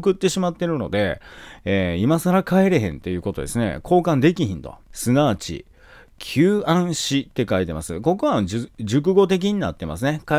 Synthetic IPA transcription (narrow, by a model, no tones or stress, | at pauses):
kɯ̟t̪ːe̞ɕimat̪ːe̞ɾɯ̟no̞̰d̪e̞̰eːimasaɾakaeɾe̞ɦẽ̞nt̪e̞jɯ̟ːko̞t̪o̞d̪e̞sɨne̞̰kʰo̞ːkãnd̪e̞kʲiɦĩnt̪o̞̰sɨnaːt͡ɕḭ | kʲʰɨːãɰ̃ɕit̪ːe̞kait̪e̞masɨ̰ko̞koβaɨd͡ʑɨk̬ɯ̟ɡo̞t̪̬e̞k̬ʲiɲ̟ina̰t̪ːe̞ma̰sɨneka